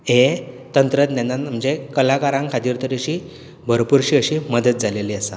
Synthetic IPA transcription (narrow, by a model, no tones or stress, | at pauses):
e | t̪ənt̪ɾət̪njanːaməd͡ʑekəlakaɾãŋkʰat̪iːɾt̪əɾiɕiː | bʱəɾpuɾɕiːəɕiːməd̪ət̪̚d͡zʱaleliasa̰